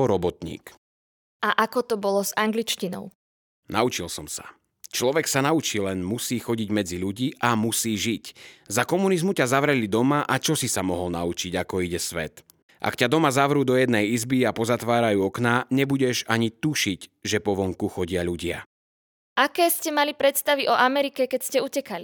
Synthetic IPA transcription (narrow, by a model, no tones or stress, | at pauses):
ɔɾɔbɔt̪ɲḭːk | ʔaʔakɔt̪ɔbɔlɔzaŋɡlit͡ʃcinɔ̰ʊ | naut͡ʃilsɔmsa̰ | t͡ʃlɔʋɛksanaut͡ʃiːlɛnmusiːxɔɟiɟmɛd͡ziʎuɟiːʔamusiːʒiczakɔmunizmucazaʋɾɛlid̪ɔmaʔat͡ʃɔsisamɔɦɔlnaut͡ʃiɟakɔiɟɛsʋɛt̪ | ʔa̰kcad̪ɔmazaʋɾuːd̪ɔjɛd̪nɛjizbiapɔzat̪ʋaːɾajuːɔknaːɲɛbuɟɛʒaɲit̪uʃiɟʒɛpɔʋɔŋkuxɔɟɪaʎuɟɪa̰ | ʔakɛːscɛmalipɾɛt̪st̪aʋiʔɔʔamɛɾikɛkɛcscɛucɛkali